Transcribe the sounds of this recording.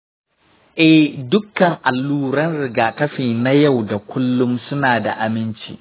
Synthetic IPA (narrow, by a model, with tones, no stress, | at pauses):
ʔɛ˦hdʊ˦kːɐ˨ŋʔa˨lːuː˦ɾɐ˦nɽɪ˨ɡaː˨kɐ˦ɸiː˨na˦ja˦˨wda˨kʷʊ˦lːʊ˦msʊ˦naː˨da̰˨ʔa˨mɪ˦nt͡ʃḭ˦